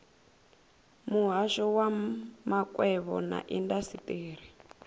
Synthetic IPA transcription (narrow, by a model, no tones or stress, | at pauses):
muɦaʃɔwamakʼwɛβɔ̰na̰ʔindasiteːɾ̤i